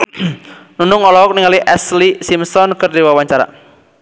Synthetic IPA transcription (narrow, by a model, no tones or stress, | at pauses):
nunʊŋɔlɔɔk̚niŋaliʔɛslisimsɔnkɨrdiwawaɲt͡ʃaɾa̰